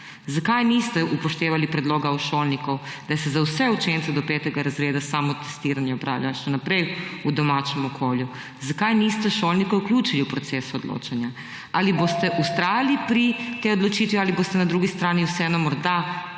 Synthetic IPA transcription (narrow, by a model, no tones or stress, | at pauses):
zakajnist̪ɛʔupoʃt̪eːʋalipɾɛd̪loːɡauʃoːlnikowd̪asɛzawsɛut͡ʃeːnt̪sɛd̪opɛːt̪ɛɡaɾazɾeːd̪asaːmot̪ɛ̥st̪iːɾanjɛopɾa̰ːwlʲjaʃɛnapɾɛjud̪ɔmaːt͡ʃɛmɔkʰoːlju | zakajnist̪ɛʃoːlnikɛuklʲjuːt͡ʃiliupɾot̪seːsuod̪lo̰ːt͡ʃanja | alibost̪ɛʔust̪ɾaːjalipɾit̪eod̪lot͡ʃiːt̪ʋialiboːst̪ɛnad̪ɾuːɡist̪ɾaːniwsɛɛnɔmɔɾd̪a